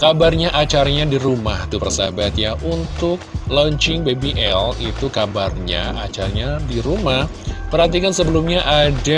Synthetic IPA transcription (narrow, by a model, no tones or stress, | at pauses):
kabarɲaʔat͡ʃaɾaɲadiɾumaht̪upərsa̰bat̪jaʔunt̪ʊk̚lɔɲt͡ʃɪŋbebiʔɛlit̪ukabarɲa̰ʔat͡ʃaraɲadiɾumahpərhat̪ikansəbəlumɲaʔada